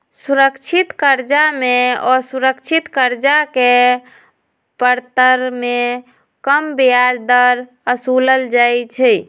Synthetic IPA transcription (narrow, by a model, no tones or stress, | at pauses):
suɾəkt͡ʃʰit̪kəɾd͡ʒameɔsuɾəkt͡ʃʰit̪kəɾd͡ʒake | pəɾt̪əɾme | kəmbiaɾd̪əɾ | əsuləld͡ʒajt͡ʃʰɛj